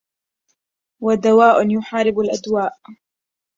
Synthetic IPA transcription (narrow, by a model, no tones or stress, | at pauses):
wad̪awaːʔʊnjʊħaːɾɪbalʔad̪waːʔ